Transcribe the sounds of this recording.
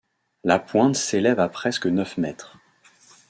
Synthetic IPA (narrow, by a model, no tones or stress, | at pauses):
lapwɛ̃t̪selɛvapχɛskənœfmɛt̪χ